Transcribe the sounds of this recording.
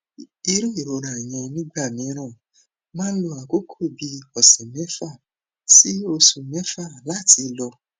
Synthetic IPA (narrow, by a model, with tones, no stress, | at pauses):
i˧ɾo˦i˨ɾo˧ɾa˨ĩ˨j̃ã˧nĩ˦ɡ͡ba˦˨mĩ˨˦ɾ̃ã˦˨ | mãː˦lo˧a˨ko˨˦kʰo˦˨bi˧ɔ˨sɛ̃˨mɛ˨˦fa˦˨ | si˨˦o˧sũ˧mɛ˦fa˦˨la˦ti˧˦˧lɔ˧